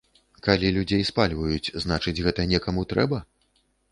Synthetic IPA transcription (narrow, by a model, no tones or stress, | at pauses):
kalʲilʲud͡zʲejspalʲvɐjut͡sʲznat͡ʂɨd͡zʲɣɛt̪ɐnʲɛkɐmut̪ɾɛ̰bɐ